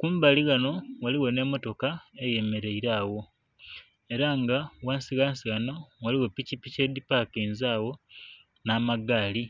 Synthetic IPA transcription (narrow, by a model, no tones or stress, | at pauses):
kuːmbaliɣano̞waliɣo̞ne̞ːmo̞to̞kaeje̞me̞ɾe̞iɾaːwo̞ | e̞ɾaŋɡawaːnsiɣansiɣanowaliɣo̞picipice̞dipakeːnzaːwo̞ | naːmaɡaːli